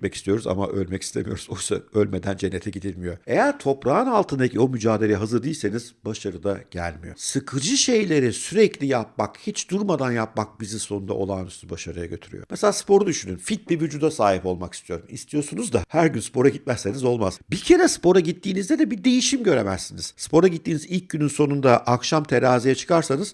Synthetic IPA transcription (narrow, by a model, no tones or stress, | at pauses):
tmɛcist̪ijo̞ɾuza̰ma̰ʔø̞lʲmɛci̥st̪ʰe̞̰mḭjo̞ɾuzojsa̰ø̞lʲme̞d̪ænd͡ʒenːe̞t̪ʰɛɟid̪ilʲmijo̞e̞jæɾt̪ʰo̞pɾaːɯnalˠt̪ʰɯnd̪acʰio̞myd͡ʒaːd̪e̞lʲeɦazɯɾd̪ijːlʲseniz̥baʃaɾɯd̪aɟ̥æ̰lʲmḭjo̞̰sɯkʰɯɾd͡ʒɯʃe̞jlʲe̞ɾisyɾɛclʲijap̚makhit͡ʃd̪uɾmad̪anjap̚mak̚biziso̞nund̪a̰ʔo̞̰lˠaːnyst̪ʰybaʃaɾɯja̰ɟø̞t̪ʰyɾy̰jo̞mʔese̞lʲaːspʰo̞ɾud̪yʃynynfit̪̚bivyd͡ʒuːd̪asaːɦipo̞lˠmaki̥st̪ʰijo̞ɾumḭst̪ʰijo̞sunuzd̪a̰hæɾɟynspo̞ɾaɟit̪̚mæsːe̞nizo̞lˠma̰z̥bicʰe̞ɾɛspo̞ɾaɟit̪ʰːiːnizd̪ɛd̪ɛbid̪e̞jiʃimɟø̞ɾemæ̰zːiniz̥spʰo̞ɾaɟit̪ːiːnizilʲc̚ɟynynso̞nund̪aʔakʃamt̪ʰe̞ɾaːzijat͡ʃʰɯ̥kʰaɾsanɯz̥